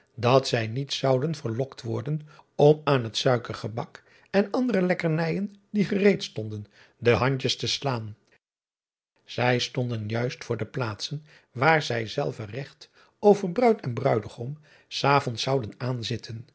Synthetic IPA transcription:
dɑtsɛjnitsɑwdənvəɹlɔktʋɔɹdənɔmaːnɦətsœɥkəɹχəbɑk | ɛnɑndərəlɛkəɹnɛjəndiχərejtstɔndən | dəɦɑɲt͡ʃəstəslaːn | z̥ɛjstɔndənjœɥstfʊːɹdəplaːtsən | ʋaːɹzɛjzɛ̰lˠvərɛχt | owvəɹbrœɥtɛnbrœɥdəχom | saːvɔntsɑwdənaːnzɪtʰən

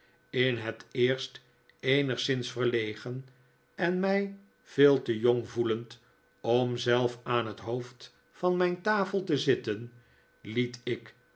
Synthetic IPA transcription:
ɪnɦətɪːɹst | ejnəχsɪnsfərlejχən | ɛnmɛj | v̥ɪːlˠtəjɔŋvulənt | ɔmzɛlˠfaːnɦətɦowft | fɑnmɛjntaːfəlˠtəzɪtən | litɪk

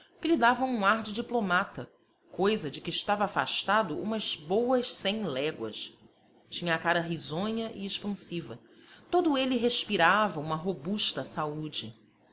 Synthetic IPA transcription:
kɪlid̪avɐ̃w̃ũaɾd͡ʒɪd͡ʒiplomat̪ɐ | kojzɐd͡ʒɪkɪːʃt̪avɐːfa̰ʃt̪ad̪ʊʔṵ̃mɐz̥bowɐʃsẽj̃lɛɡwɐ̰ʃ | t͡ʃĩɲɐːkaɾɐɦizõɲɐʔɪeʃpɐ̃sivɐ | t̪od̪ʊeliɦeʃpiɾavɐũmɐɦobuʃt̪ɐsaud͡ʒɪ

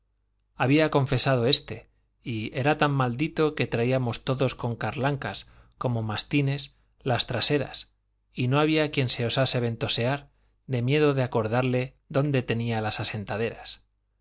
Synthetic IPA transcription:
aβiakõ̞ɱfe̞sað̞o̞e̞st̪e̞ | ie̞ɾat̪amːald̪it̪o̞ke̞t̪ɾaiamo̞st̪o̞ðo̞sko̞ŋkaɾlaŋkas | ko̞mo̞mast̪ine̞s | last̪ɾase̞ɾa̰s | ino̞aβiakje̞nse̞o̞sase̞β̞e̞nt̪o̞se̞aɾ | ðe̞mje̞ðoðeako̞ɾðaɾle̞ | ðo̞nd̪e̞t̪e̞nialasase̞nt̪aðe̞ɾas

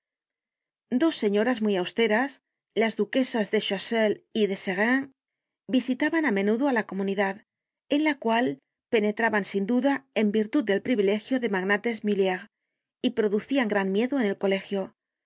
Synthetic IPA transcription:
d̪o̞sːe̞ɲo̞ɾazmujawst̪e̞ɾas | lazðuke̞sazðe̞ʃaseliðe̞seɣaŋ | bisit̪aβanamẽ̞nuðoalako̞mũniðað | e̞nlakwal | pe̞ne̞t̪ɾaβansind̪uðae̞mbiɾt̪uðd̪e̞lpɾiβile̞xjo̞ðe̞maɣnat̪e̞zmiljaʁ | ipɾo̞ðuθiaŋɡɾanmje̞ðoe̞ne̞lko̞le̞xjo

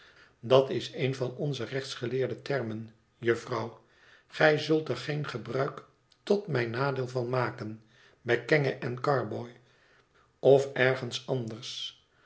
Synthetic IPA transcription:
dɑtɪsejnvɑnɔnzərɛχtsχəlɪːɹdətɛɹmən | jɵfrɑw | χɛjzɵlˠtɛɹχejnχəbrœɥk | tɔtmɛjnaːdɪːlˠvɑnmaːkən | bɛjkɛŋəʔɛnkɑɹbɔj | ɔfɛɹχənsɑndəɹs

